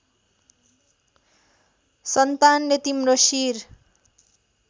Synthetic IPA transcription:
sʌnt̪anːet̪imrosir

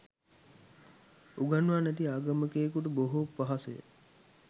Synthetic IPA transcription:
uɡanʋaːnæt̪iaːɡɐməkeːkuʈəboɦupːaɦasəjə̰

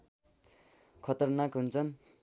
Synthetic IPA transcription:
kʰʌt̪ʌrnakɦunt͡sʰʌn

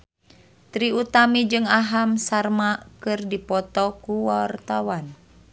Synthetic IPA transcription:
t̪ɾiut̪amid͡ʒɨŋaɦamsarmakɨrdipɔt̪ɔkuwart̪awan

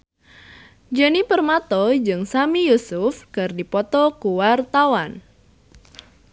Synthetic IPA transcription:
d͡ʒənipərmat̪ɔd͡ʒɨŋsamijusʊfkɨrdipɔt̪ɔkuwart̪awan

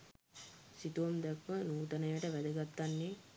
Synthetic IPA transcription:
sit̪uʋamd̪ɛkʋənuːt̪ɐnəjʋəʈəʋæd̪əɡat̪ːanːe

